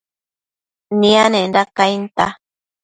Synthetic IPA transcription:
nĩanẽnɾakajnt̪a̰

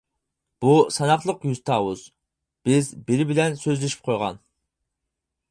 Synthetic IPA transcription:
b̥usɑnɑχlˠəqjyzt̪ʰɑːwuz̥ | b̥ɪzbɪɾɪbɪlɛnsøzlɪʃi̥p̚qʰojʁɑ̰n

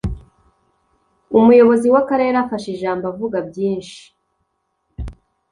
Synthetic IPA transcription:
umujo̞βo̞ziwakaɾe̞ːɾafaʃeʒaːmbavuɡabjiːnʃi̥

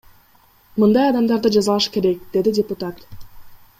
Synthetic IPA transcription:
mɯnd̪ɑjɑd̪ɑmd̪ɑɾd̪ɯd͡ʒɑzɑlˠɑʃke̞ɾe̞k̚d̪e̞d̪idʲɪpʊt̪at̪

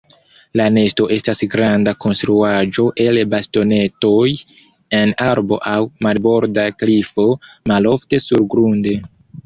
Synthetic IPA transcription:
lane̞sto̞ʔe̞stasɡɾandako̞nstɾuad͡ʒo̞ʔe̞lbasto̞ne̞to̞j | e̞naɾbo̞ʔawmalbo̞ɾdaklifo̞malo̞fte̞suɾɡɾunde̞

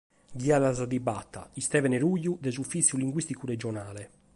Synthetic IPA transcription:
ɡiaðazad̪iba̰t̪ːa̰ist̪ɛvɛnɛɾujːud̪ɛzufit̪sːjuliŋɡwist̪ikuɾɛd͡ʒɔnaːlɛ

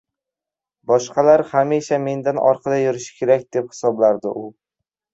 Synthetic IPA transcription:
bɒʃqɑlaɾhamiʃame̞nd̪anʔɒ̰ɾqʰɑd̪ajʊɾɪʃɪ̥kʲʰe̞ɾak̚ʲd̪ephɪ̥sɒblaɾd̪ɪʔʊ

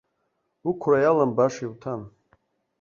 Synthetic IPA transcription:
ukʷʰrajalambaʂiwtʰan

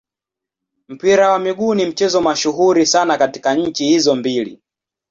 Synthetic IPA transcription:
m̩piɾawamiɠunim̩t͡ʃɛzɔmaʃuɦuɾisanakati̥kaɲ̩t͡ʃihizɔmbilḭ

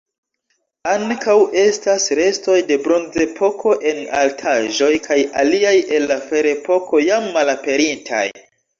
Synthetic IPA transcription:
aŋkawʔe̞stasɾe̞sto̞jde̞bɾo̞nze̞pʰo̞kʰo̞ʔe̞na̰ltʰaʒo̞jkʰaja̰liaje̞nːafe̞ɾe̞po̞kʰo̞jamːalape̞ɾintʰa̰j

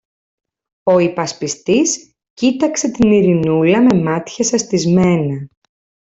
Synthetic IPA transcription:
o̞ipɐspist̪is | cit̪ɐkse̞t̪iniɾinulɐme̞mɐt̪çɐsɐst̪izme̞nɐ

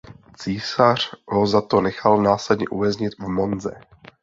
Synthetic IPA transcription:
t͡siːsar̝̥ɦozat̪onɛxalnaːslɛd̪ɲɛʔuvɛzɲɪt̪vmonzɛ̰

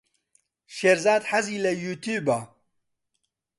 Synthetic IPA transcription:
ʃeɾzaːd̪ħaziːlɐjuːt̪ʰuːbaː

